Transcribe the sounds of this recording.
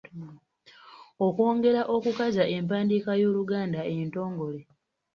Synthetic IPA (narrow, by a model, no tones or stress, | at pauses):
okwo̞ːŋɡe̞ɾaʔo̞kukazaʔe̞mpaːndikajo̞ːluɡaːndaento̞ːŋɡo̞le̞